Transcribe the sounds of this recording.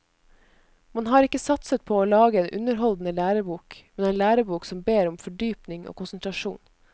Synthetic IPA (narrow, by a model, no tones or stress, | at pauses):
mɑnɦɑːɾɪkːəsɑt̪sət̪̚pʰoːoːlɑːɡəeːnʔʉ̰nəɾɦɔld̪n̩əlæːɾəbuːkmɛneːnlæːɾəbuːksɔmbeːɾɔmfɔɖyːpnɪŋo̰ːkʊnsənt̪ʰɾɑʃṵːn